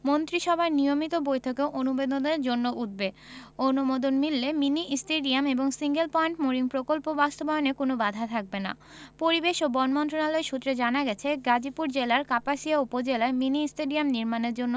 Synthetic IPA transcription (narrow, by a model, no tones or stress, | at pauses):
mont̪ɾiʃɔbʱaɾnijomit̪obojt̪ʰokeoʔonubed̪od̪eɾd͡ʑonːoʔut̪̚be | onumod̪onmilːeminiʔisʈeɖiameboŋsiŋɡelpɔeɳʈmoɾiŋpɾokolpobast̪obaeonekonobad̪ʱat̪ʰak̚bena̰ | poɾibeʃobɔnmɔnt̪ɾonalɔeɾʃut̪ːɾed͡ʑanaɡɛt͡ɕʰeɡad͡ʑipuɾd͡ʑelaɾkapaʃiaupod͡ʑelaeminiisʈeɖiamniɾmaneɾd͡ʑonːo